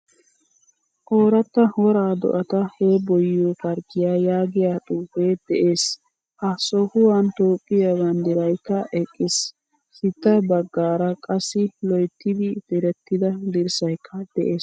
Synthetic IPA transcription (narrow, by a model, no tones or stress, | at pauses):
ʔoːɾɐt̪ːɐwɔɾaːd̪ɔ̰ʔɐt̪ɐheːbɔjːoːfɐɾɡɪjaːjaːɡɪjaːt̪ʼuːfeːd̪̥ɛʔe̞ːs | hɐsɔhʊwɐnt̪oːpʼːɪjabɐnd̪ɪɾɐjkːɐʔɛkʼːɪs | hɪt̪ːɐbɐɡːaːɾɐkʼɐsːɪlɔjt̪ːɪd̪ɪd̪̥ɪɾɛt̪ːɪd̪ɐd̪ɪɾsɐjkʰːɐd̪̥ɛʔeːs